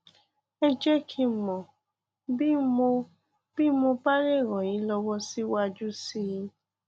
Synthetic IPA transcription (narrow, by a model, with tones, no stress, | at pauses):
ɛ˦d͡ʒɛ˦kʰi˧mɔ̃˨ | bi˦mo˧ | b̥i˦mo˧ba˦ɾe˦˨ɾɔ̃˨jĩ˨˦lɔ˧wɔ˦si˦wa˦d͡ʒu˦si˦jĩ˧˦